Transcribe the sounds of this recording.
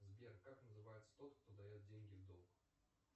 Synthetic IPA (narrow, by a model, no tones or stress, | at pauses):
zʲbʲɛrkaknəzɨvajɛt̪sə̥t̪ɔt̪xt̪ɔd̪ajɛd̪̚d͡zʲeŋʲɡʲivd̪ɔlˠɡ